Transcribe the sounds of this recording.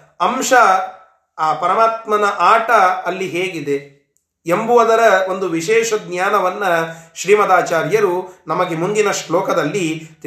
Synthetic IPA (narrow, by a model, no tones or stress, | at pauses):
ɐmʃɐ | aːpɐɾɐmaːt̪mɐnɐʔaːʈɐːlːiɦeːɡid̪e̞ | embuʋɐd̪ɐɾɐond̪uʋiʃɛːʂɐd̪ɲjaːnɐʋɐnːɐʃɾiːmɐd̪aːt͡ʃaːɾjɐɾunɐmɐɡe̞mund̪inɐʂlɔːkɐd̪ɐlːit̪